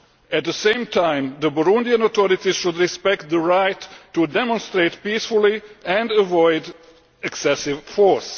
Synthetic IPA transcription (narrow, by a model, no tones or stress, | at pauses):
æt̪̚ðəsẽɪ̃mtʰãɪ̃mðəbɔɾũndiãnot̪ɔɾɪtiz̥ʃʊd̪ɹispɛk̚t̪̚ðəɹaɪtʰːudɛmɔ̃nst̪ɹeɪtpiːsfʊl̩ˠiɛ̃ndəvɔɪd | ɛksɛsɪvfɔɹs